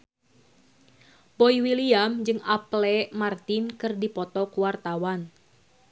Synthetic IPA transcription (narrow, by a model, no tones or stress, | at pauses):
pɔiwiliamd͡ʒɨŋaplɛmart̪inkɨrdipɔt̪ɔkuwart̪awan